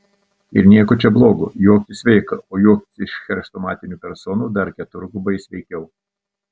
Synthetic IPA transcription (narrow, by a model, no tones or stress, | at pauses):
ɪ̰ɾnʲiɛkʊt͡ʃʲɛblˠoːɡʊ̰joːkʲɪsʲʋʲɛɪkɐʔoːjuɔk̪ʲːɪʃxʲɛɾʲʃt̪ɔmɑːt̪ʲɪnʲuːpʲɛɾsɔːnuːd̪ɐɾkʲɛt̪ʊɾɡʊbɐɪsʲʋʲɛɪkʲɛʊ